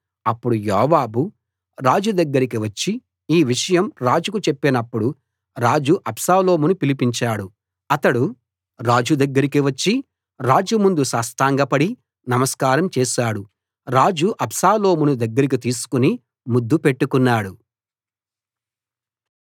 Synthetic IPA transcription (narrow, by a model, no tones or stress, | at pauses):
ɐpːuɽujɔːʋaːbu | ɾaːd͡ʒud̪ɐɡːɐɾikiʋɐt͡ʃːi | iːʋiʂɐjɐmɾaːd͡ʒukut͡ʃepːenɐpːuɽu | ɾaːd͡ʒuʔɐpsaːlo̞ːmunupilipiɲt͡ʃaːɽu | ɐt̪ɐɽu | ɾaːd͡ʒud̪ɐɡːɐɾikiʋɐt͡ʃːi | ɾaːd͡ʒumund̪usaːsʈ̪aːŋɡɐpɐɽi | nɐmɐskaːɾɐmt͡ʃɛːʃaːɽu | ɾaːd͡ʒuʔɐpsaːlo̞ːmunud̪ɐɡːɐɾik̬it̪iːsu̥kuni | mud̪ːupe̞ʈːukunːaːɽu